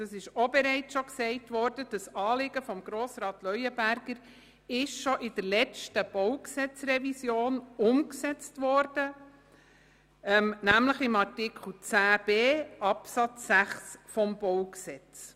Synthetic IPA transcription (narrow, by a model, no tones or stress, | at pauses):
d̥ɑsɪʃɔbɛɾɛɪt͡sʃɔksɛɪtʋɔɾdəd̥əsɑːlɪɡ̥əfɔmɡɾoːsrɑːtlœʏəbæɾɡ̥əɾ | ɪʃʃɔʔɪd̥əɾlɛt͡stəb̥ɔwksɛt͡srɛvisjoːnʊmksɛt͡stʋɔɾd̥ə | ɛmnæmləχɪmɑtɪkχl̩t͡sæːb̥eːɑpsɑt͡sːæχsfɔmb̥ɔwksɛt͡s